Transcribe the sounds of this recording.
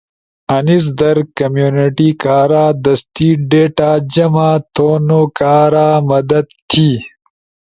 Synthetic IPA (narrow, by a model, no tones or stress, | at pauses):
ɐnis̬d̪ɐɾkɐmjuːnɪʈikaːɾaːd̪ɐst̪iɖeːʈaːd͡ʑɐmaːt̪ʰoːnokaːɾaːmɐd̪ɐd̪t̪ʰiː